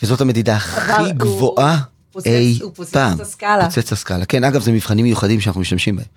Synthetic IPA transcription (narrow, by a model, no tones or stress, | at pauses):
vezo̞tame̞didaχiɡvo̞ʔa | ejpaːmot͡set͡saskalake̞naɡavzemiv̥χanimːejuχadimʃ̬anaχnumiʃt̪amʃimbahem